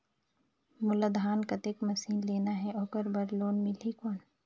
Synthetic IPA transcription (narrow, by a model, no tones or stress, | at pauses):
mʊləd̪aːnkɐt̪ekmɐsiːnleːnaɦɛʔɔːkəɾbɐɾloːnmɪlikoːn